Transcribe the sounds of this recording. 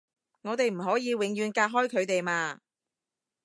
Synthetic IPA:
ŋɔː˨˧t̪e˨jm̩˨˩ɦɔː˨˥jiː˨˧wɪ˨˥ŋjyː˨˧nkaː˧k̚ɦɔː˥jkʰɵ˨˧ɥt̪e˨jmaː˧

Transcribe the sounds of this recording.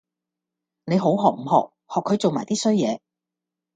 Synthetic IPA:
ne˨˧jɦo˨˥wɦɔː˨˩k̚m̩˨˩hɔ̰ː˨˩k̚ | hɔː˨kʰːɵ˨˧ɥt͡so˨wmaː˨˩jt̪iː˥sɵ˥ɥjɛ̰ː˨˧

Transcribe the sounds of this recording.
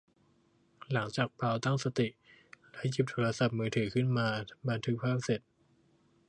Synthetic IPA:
la˩˦ŋt͡ɕaː˨˩k̚pʰaː˧wt̪a˥˩ŋsa˧t̪i˨˩lɛ˦˥ji˨˩p̚t̪ʰoː˧ɾa˧sa˨˩p̚mɯː˩˦˥t̪ʰɯː˩˦kʰɯ˥˩nmaː˧ba˧nt̪ʰɯ˦˥k̚pʰaː˥˩p̚se˨˩t̪̚

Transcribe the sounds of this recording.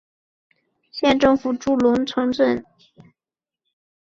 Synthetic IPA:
ɕjɛ˥˧nʈ͡ʂɤ˥˩ŋfu˨˩ʈ͡ʂu˥˩lʊ˧˥nt͡sʰɤ˧˥ŋt͡sə˥˩n

